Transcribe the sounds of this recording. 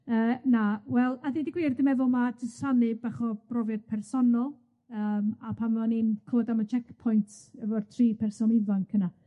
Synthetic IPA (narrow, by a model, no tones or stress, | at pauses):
əːnawɛlˠaθidiɡwiːrdəmɛvɔmadʰɪsanɨbaχɔb̥rɔvɨrpʰɛrsɔnɔlˠ | əːmapʰanvaninkʰoːdamət͡ʃʰɛkpʰɔjntʰɛvɔrtʰriːpʰɛrsɔnivaŋkʰəna